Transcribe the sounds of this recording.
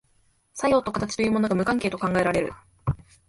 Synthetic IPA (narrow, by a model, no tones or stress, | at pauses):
sajo̞ːt̪ːo̞kat̪at͡ɕi̥t̪o̞jɯ̟ːmo̞no̞ɡamɯ̟kãŋkeːt̪o̞kãŋɡae̞ɾaɾe̞ɾɯ̟̰